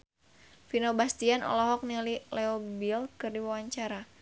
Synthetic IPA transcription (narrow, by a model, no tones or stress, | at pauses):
finobast̪ianɔ̰lɔɦɔk̚nililɛobilkɨrdiwawaɲt͡ʃaɾa